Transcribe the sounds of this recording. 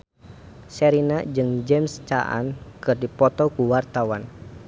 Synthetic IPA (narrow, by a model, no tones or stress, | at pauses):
sɛɾinad͡ʒɨŋd͡ʒɛmst͡ʃaʔa̰nkɨrdipɔt̪ɔkuwart̪awan